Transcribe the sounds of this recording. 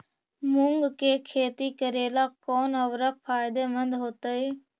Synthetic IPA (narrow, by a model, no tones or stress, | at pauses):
mʊŋɡkeːkʰeːt̪iːkəɾeːlaːkoːnəʋɾək̚pʰaːjɪd̪eːmənd̪ɦoːt̪əiː